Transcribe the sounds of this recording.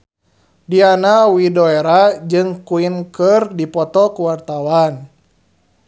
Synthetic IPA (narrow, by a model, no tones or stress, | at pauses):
dianawidɔɛɾad͡ʒɨŋkuinkɨrdipɔt̪ɔkuwart̪awan